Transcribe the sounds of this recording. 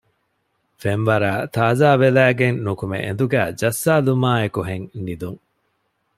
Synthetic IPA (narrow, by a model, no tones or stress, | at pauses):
fenʋɐɾaːt̪aːzaːʋelæːɡennukumḛʔḛnd̪uɡæ̰ːd͡ʒɐsːaːlumaːekuɦeŋnid̪uŋ